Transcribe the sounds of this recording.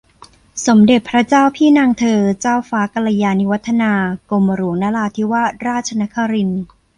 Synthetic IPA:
so˩˦mde˨˩t̪̚pʰɾa˦˥t͡ɕaː˥˩wpʰiː˥˩naː˧ŋt̪ʰɤː˧t͡ɕaː˥˩wfaː˦˥ka˧la˧jaː˧ni˦˥wa˦˥t̪ʰːa˧naː˧koː˧ma˧ɾu˩˦ŋnaː˦˥laː˧t̪ʰi˦˥wa˦˥˩ɾaː˥˩t̪̚t͡ɕʰa˧na˦˥kʰa˧ɾi˧n

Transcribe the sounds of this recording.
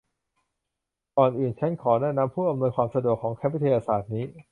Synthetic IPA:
kɔː˨˩nʔɯː˨˩nt͡ɕʰa˦˥nkʰɔː˩˦nɛː˥˩na˧˦˥mpʰuː˥˩ba˧mnoː˧jkʰwaː˧msa˧du˨˩əkʰːɔː˩˦ŋkʰɛ˦˥p̚wi˦˥t̪ʰa˧jaː˧saː˨˩t̪̚niː˦˥

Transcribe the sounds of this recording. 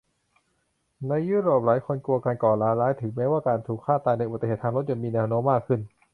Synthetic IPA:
na˧jːuː˧˥˩ɾoː˨˩p̚laː˩˦jkʰo˧nku˧ɐkaː˧nkɔː˨˩laː˦˥laː˦˥jt̪ʰɯ˩˦ŋmɛː˦˥waː˥˩kaː˧nt̪ʰuː˨˩kʰːaː˥˩t̪aː˧na˧˩jʔt̪e˧eː˨˩t̪ʰːa˧ŋɾo˦˥t̪̚ja˨˩miː˧nɛː˧wnoː˦˥mːaː˥˩kʰːɯ˥˩n

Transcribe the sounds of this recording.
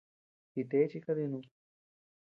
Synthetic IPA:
ki˨t̪e˦t͡ʃi˦˧kaði˧nũ˧

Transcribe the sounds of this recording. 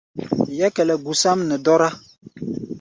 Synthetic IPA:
jɛ˦kɛ˨lɛ˨ɡu˨sa˦mnə˨dɔ˦ɾa˦

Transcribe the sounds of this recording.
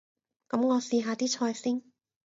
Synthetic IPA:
kɐ˨˥mŋɔː˨˧siː˧ɦaː˨˧t̪iː˥t͡ʃʰɔː˧jsiː˥n

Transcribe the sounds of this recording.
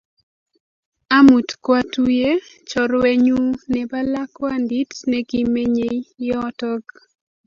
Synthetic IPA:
a˦mu˨tkwa˦tu˦je˦ | t͡ʃɔ˨ɾwe˦ɲu˦nɛ˨ba˦la˦kwa˦ndi˦tnɛ˦ɡi˦me˦ɲe˦jjɔtɔɡ

